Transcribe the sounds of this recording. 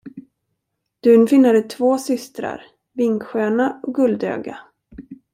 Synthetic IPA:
d̪̥ʉ̟ːnfɪnːad̪ət̪ʰvoːsʏst̪ɾa̰ɾ | vɪŋkɧøːnaɔk̚ɡɵld̪ø̰ːɡa̰

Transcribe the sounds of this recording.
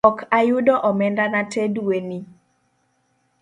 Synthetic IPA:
ɔkʰajʊdɔʔɔmɛndanatedueni

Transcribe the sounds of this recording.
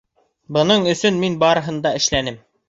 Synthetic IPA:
bɤ̆nɤɴɵ̆sɵnminbɑɾɤ̆ɦɤ̆nd̪ɑɘ̆ʃlænɘm

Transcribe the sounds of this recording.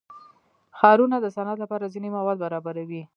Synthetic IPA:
xɑɾunad̪əsanat̪lapɑɾazinemawɑd̪̚baɾɑbaɾawi

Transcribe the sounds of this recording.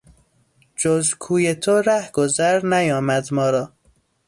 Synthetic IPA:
d͡ʒozkʰuːjet̪ʰoɾæhɡ̥ozæɾnæjɒːmæd̪mɒːɾɒː

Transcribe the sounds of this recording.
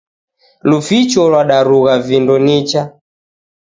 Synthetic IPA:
lufit͡ʃɔlwaɗaɾuɣavindɔnit͡ʃa

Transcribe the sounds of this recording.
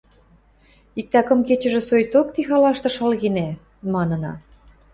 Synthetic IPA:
ik̚t̪ækɤ̆mket͡ɕə̆ʒĕsojt̪ok̚t̪ixɑlɑʃt̪ɤ̆ʃɑlɣine | mɑnɤ̆nɑ̰

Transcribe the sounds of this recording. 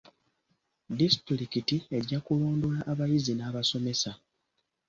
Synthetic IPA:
distɾɾikitie̞ɟakulo̞ːndwlaʔːβajizinaːβaso̞me̞sa

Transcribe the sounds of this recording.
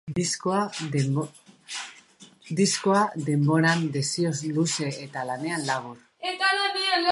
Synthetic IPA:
isko | d̪iskoaðe̞mbo̞ɾand̪e̞siozluse̞et̪alane̞anlaɣuɾ | et̪aleβiel

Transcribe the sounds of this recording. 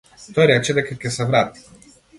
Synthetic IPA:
t̪ɔjɾɛt͡ʃɛd̪ɛkakʲɛsɛvɾat̪i̥

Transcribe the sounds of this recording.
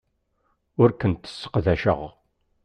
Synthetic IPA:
ʊɾkənt̪ə̥sːə̥qðæʃə̰ʁ

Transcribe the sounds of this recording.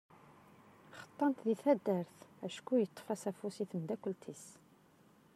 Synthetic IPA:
χə̥t̪ˤːɑnt̪ðiθæd̪ːəɾθæʃkːujət̪ˤːfæsæfusiθəmd̪ækʷːəlt̪ʰis

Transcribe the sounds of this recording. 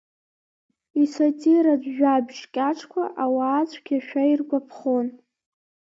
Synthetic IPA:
isotʼiɾad͡ʑʷʒᶣabʒkʲʼaʈ͡ʂʰkʷʰaʔawaːt͡sʷʰʼkʲʰaʃᶣairɡʷapʰχon

